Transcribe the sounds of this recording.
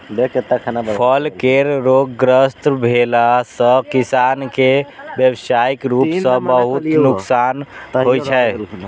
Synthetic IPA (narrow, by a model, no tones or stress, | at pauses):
beket̪akʰanapʰəlkeɾɾoɡɡɾəst̪bʱelasə̃kisankebjəbsaikɾupsə̃bəɦut̪nuksanɦojt͡ʃʰɛ